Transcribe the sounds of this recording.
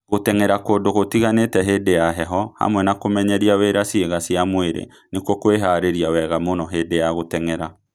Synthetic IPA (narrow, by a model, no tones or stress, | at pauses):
ɣotɛŋɛɾakoːdoɣotiɣanetɛɦeːdejaɦɛɦɔha̰mwɛnakomɛɲɛɾiaweɾasieɣasiamweɾḛ | nekwokoweɦaɾeɾiawɛɣamonɔɦeːdejaɣotɛŋɛɾa